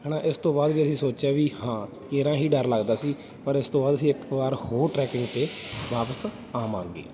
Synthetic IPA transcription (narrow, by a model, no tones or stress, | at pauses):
ɦɛːnãːʔɪst̪õːbaːd̪ʋiːəsĩːsoːt͡ʃaːʋiːhãː | eːɾãːɦiːɖəɾləɡd̪aːsiː | pəɾɪst̪õːbaːd̪əsĩːɪkbaːɾhoːɾʈɾɛːkɪ̃ŋɡt̪eːʋaːpəs | aːmãːŋɡḛː